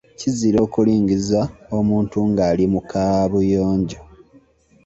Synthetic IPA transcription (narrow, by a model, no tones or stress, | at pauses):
ciziɾo̞ːkuliːɲɡizaomuːntuŋɡaːlimukaβujoːɲɟo